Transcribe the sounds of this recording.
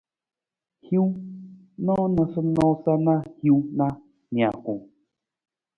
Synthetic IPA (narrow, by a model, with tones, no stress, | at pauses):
hji˦w | nɔ˦nə˨sə˦nɔ̃˦sa˦na˦hji˦wna˦ | ni˨a˨ku˨ŋ